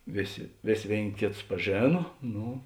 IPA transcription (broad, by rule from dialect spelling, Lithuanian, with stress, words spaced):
ˈʋʲeːˌsʲeː ˈʋʲeːsʲ ˈʋʲeːɪnʲ ˈkʲeːˌtʊs pɐˈʒʲeːnɐ ˈnʊ